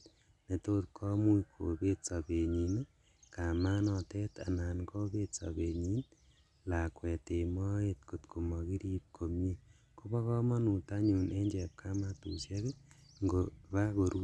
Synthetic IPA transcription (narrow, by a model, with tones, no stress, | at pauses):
ne˨to˦t̚kʰo˦mu˦ikʰo˨βe˦t͡sa˨βe˨ɲi˨n˦ | ka˨ma˦nɔ˨te˦ta̰˨naː˨nko˦βe˦t͡sa̰˨βe˨ɲi˦n | la˨kwe˨te˨mo˦e˦t̚kotkʰo˨mo˨ɣi˦ɾiː˦p̚kʰo˨mje˦ | ku˦βɔ˦kɔ˦mɔ˦nu˨ta˦ɲu˨ne˦ɲd͡ʒe˨p̚kʰa˦ma˦tu˨se˦ɣe˦ŋɡoβa˦ɣo˨ɾu˦